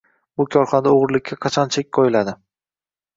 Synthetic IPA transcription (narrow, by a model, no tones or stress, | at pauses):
bʊkʲʰɒɾχɒnad̪aoʁɨɾlɪkʲʰːaqʰɑt͡ʃʰɒnt͡ʃʰekʲqʰojɪlad̪ɪ